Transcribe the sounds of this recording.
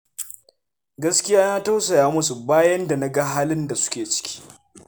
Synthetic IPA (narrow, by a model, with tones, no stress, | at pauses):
ɡɐ˦skʲɪ˦jaː˦naː˦ta˦wsɐ˨jaː˦mʊ˦su˨baː˦jɐ˦nda˨na˦ɡa˦ɦaː˦lɪ˦nda˨sʊ̥˦kʲeː˨t͡ʃɪ̥˦kʲi̥ː˦